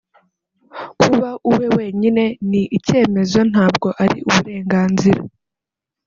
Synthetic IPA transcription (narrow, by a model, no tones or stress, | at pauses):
kʰuβaʔuwe̞we̞ːɲine̞niʔice̞ːme̞zo̞n̥haːbɡo̞ʔaɾḭʔuβuɾe̞ːŋɡaːnziɾa